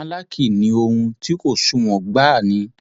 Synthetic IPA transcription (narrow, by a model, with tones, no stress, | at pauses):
la˦kʰi˦˨nĩ˧˦o˧hũ˧ti˦ko˦˨ʃu˦˨w̃ɔ̃˨ɡ͡ba˨˦˨nĩ˨˧˦